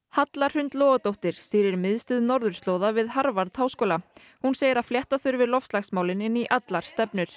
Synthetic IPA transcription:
hat̪laɾ̥hʏnt̪lɔːɣat̪owht̪ɪɾ̥st̪iːɾɪɾmɪðst̪ʏːðnɔɾðʏɾ̥st̪loːwðavɪðɦaɾvaɾt̪haːwskoːla | hunseːjɪɾaðfljɛht̪aθʏɾvɪɾlɔfst̪axsmaːwlɪnɪnːiʔat̪laɾ̥st̪ɛpnʏɾ̥

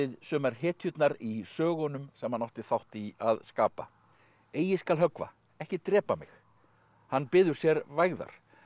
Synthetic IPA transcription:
ɪðsœːmaɾ̥hɛːt̪ʰjʏt̪naɾisœːɣɔnʏmsɛmhanawht̪ɪθawht̪iaðskaːpa̰ | eːjɪskalɦœkva̰ | ɛhcɪt̪ɾɛːpamɪ̰x | hanːpɪːðʏɾ̥sjɛɾvajɣða̰ɾ̥

